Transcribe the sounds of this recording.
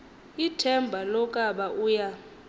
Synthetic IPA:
itʰɛmbʱalɔkʼaɓaʔuːja

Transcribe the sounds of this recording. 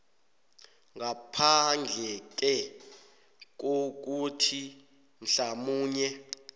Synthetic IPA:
ŋapʰand͡ɮʱɛk̬ɛ | k̬ok̬utʰi | m̩ɬamuːɲɛ

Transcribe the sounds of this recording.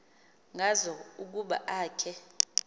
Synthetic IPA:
ŋʱazɔuk̬uɓa̰ʔaːkʰɛ

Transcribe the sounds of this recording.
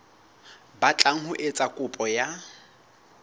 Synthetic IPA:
bat͡ɬʼaŋ̩hʊʔet͡sʼakʼʊpʼɔja

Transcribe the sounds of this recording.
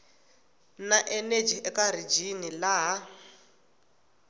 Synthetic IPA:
naʔɛned͡ʒiʔɛkaɾ̤id͡ʒinilaɦa

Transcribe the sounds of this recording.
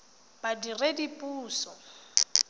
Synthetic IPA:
b̥adiredipʼuːsɔ

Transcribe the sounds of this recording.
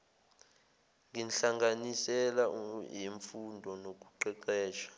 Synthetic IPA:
ŋinɬaŋɡanisɛlajiɱfundʱɔnok̬ʼuǃɛǃɛːʃḁ

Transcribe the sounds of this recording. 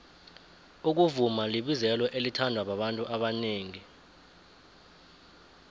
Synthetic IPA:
uk̬uvumaliɓizɛlwɔʔelitʰandʱwaɓaɓantʼuʔaɓaneːŋi

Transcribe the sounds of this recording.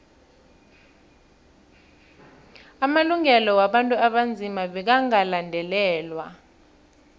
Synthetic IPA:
amaluŋɛlɔwaɓantʼuaɓand͡zʱimaɓɛk̬aŋalandʱɛlɛːlwa̰

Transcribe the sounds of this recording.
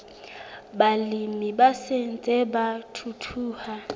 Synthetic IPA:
balimibasen̩t͡sʼɛbatʰutʰuːha

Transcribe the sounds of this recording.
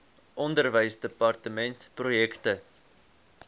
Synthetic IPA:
ʔɔndərvəjsdəpɐrtəmɛntprojɛktə

